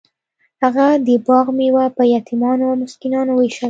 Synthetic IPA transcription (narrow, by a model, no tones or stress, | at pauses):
haɣad̪əbɑɣmewapəjat̪ʰimɑnoamʊskinɑnoweʃa